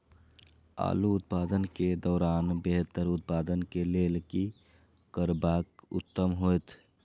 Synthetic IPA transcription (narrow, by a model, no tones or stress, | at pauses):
a̰ːluːt̪paːd̪ənked̪ɔːɾaːnbeɦt̪əɾʊt̪̚paːd̪ənkeleːlki | kəɾbaːkʊ̰t̪ːəmɦojt̪ʰ